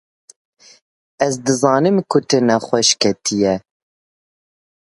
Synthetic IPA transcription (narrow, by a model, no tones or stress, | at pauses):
ɛzd̪ɨzɑːnɨmkʰʊt̪ɨnɛχʷɛʃkʰɛt̪ʰijɛ